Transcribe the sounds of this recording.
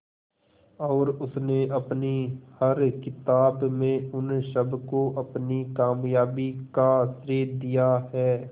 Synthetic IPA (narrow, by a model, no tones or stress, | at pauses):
ɔːɾʊsneʔɐpnihɐɾkɪt̪aːbmẽʊnʃəbkoʔɐpnikaːmjaːbikasɾeːɾd̪ijaɦɛː